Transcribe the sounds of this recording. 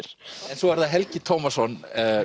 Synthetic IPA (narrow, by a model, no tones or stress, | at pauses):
ɾ̥ɛnsɔvaɾðaðɦɛlcɪt̪ʰowmasɔn